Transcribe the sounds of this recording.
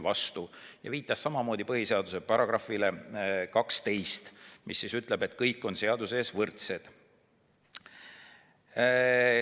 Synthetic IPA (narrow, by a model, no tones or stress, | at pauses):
vɑst̪ujɑ̰viːt̪ːˑɑsːɑmɑmo̞ːd̪̥ipɤhiseɑd̪̥use̞pɑɾɑɡ̥rɑfilekɑkst̪e̞jst̪misːisyt̪ˑle̞be̞t̪ˑkɤjkːˑo̞nse̞ɑd̪use̞ːsvɤrt̪se̞d̪̥